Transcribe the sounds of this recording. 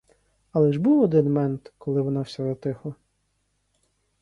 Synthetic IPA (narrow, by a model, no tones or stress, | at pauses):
ɐlˠɛʒbuwɔd̪ɪnmɛnt̪kɔlˠɪʋɔnɑwsʲɛzɐt̪ɪxlˠɐ